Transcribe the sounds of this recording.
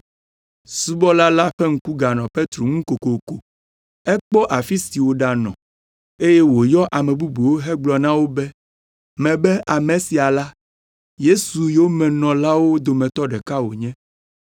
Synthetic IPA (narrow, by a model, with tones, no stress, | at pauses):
su˦bɔ˦la˦la˦ɸɛ˦ŋ̩˦ku˦ɡa˨nɔ̃˨pe˦t̪ɾo˨ŋũ˦ko˨ko˨ko˨ | ɛ˦k͡pɔ˦ʔa˨fi˦si˨wo˨ɖa˨nɔ̰̃˨ | e˦jɛ˦wo˨jɔ˦ʔa˨mɛ̃˨bu˦bu˨wo˦ɦɛ˦ɡ͡blɔ˨nã˦wo˦bɛ˦ | mɛ̃˨bɛ˦ʔa˨mɛ̃˨si˨a˨la˦ | je˦su˨jo˦mɛ̃˨nɔ̃˨la˦wo˦d̪o˨mɛ̃˨t̪ɔ˦ɖɛ˨ka˦wo˨ɲɛ̃˦